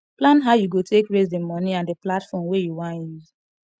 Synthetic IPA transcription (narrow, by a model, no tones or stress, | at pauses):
plãnɦaʊjuɡotʰekɹezdemɔniãndəplatfɔmwejuwãnjuz